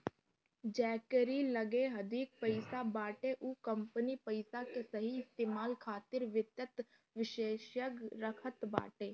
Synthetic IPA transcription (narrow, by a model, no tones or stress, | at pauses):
d͡ʒɛːkɾiləɡeɦəd̪iːk̚pəɪsabaːʈeʔukəmpənipəɪsakesəɦiɪst̪eːmaːlkʰaːt̪ɪɾʋɪt̪jət̪ | ʋɪʃeːʃjəɡɾəkʰət̪ba̰ːʈeː